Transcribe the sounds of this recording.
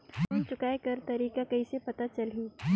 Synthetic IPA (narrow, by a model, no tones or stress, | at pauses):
ʊmt͡ʃʊkaːekɐɾt̪ɐɾiːkakɐisepɐt̪at͡ʃɐlɦiː